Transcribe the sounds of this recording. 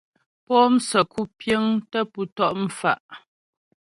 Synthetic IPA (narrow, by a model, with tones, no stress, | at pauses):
pɔ˦m̩˦sə˨ku˦pjə˦ŋtə˦pu˨tɔ˦ʔm̩˨fa˦˨ʔ